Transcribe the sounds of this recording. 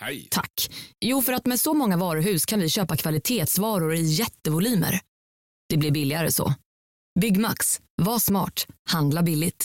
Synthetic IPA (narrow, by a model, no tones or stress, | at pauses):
t̪ʰa̰kːjuːfœɾat̪mɛsɔmɔŋːavɑːɾʊɦʉ̟ːskʰanvɪɕøːpakʰvalɪt̪ʰeːt̪svɑːɾʊɾɪjɛt̪ːəvʊlyːmə̰ɾ | d̪̥ɛblɪɾbɪlːɪaɾə̰sɔ̰ | bʏɡːmaks | vasmɑ̰ːʈhand̪labɪlːɪt̪